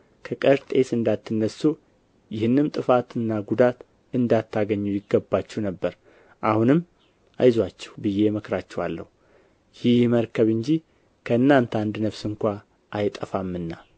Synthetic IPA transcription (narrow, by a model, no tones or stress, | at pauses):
kʰəkʼəɾt̪ʼe̞sɨnd̪at̪ʰːɨnːəsːu | jɪhɨnːɨmt̪ʼɨfat̪ɨnːaɡud̪at̪ | ɨnd̪at̪ːaɡəɲːujɪɡːəbːat͡ʃːɛhnəbːəɾ | ʔahunɨmː | ʔa̰jzwat͡ʃːɛ̥wbɨjːe̞məkɾat͡ʃːɛwalːə̰hu | jɪhməɾkʰəβɨɲd͡ʒi | kʰəɨnːant̪ʰand̪nəfsɨŋkʷa | ʔajt̪ʼəfamːɨnːa